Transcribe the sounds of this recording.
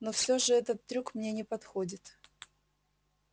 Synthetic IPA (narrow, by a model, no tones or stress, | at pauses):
nofsʲoʐɨɛt̪ət̪ːɾʲukmnʲenʲɪpɐt̪xodʲɪt̪